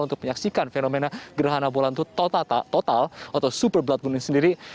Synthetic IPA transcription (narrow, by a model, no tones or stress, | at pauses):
lunt̪ʊk̚məɲaksikanfenomenaɡəɾaɦanabolant̪ut̪t̪ot̪alat̪awsupərbəlat̪̚bunɪŋsəndiɾi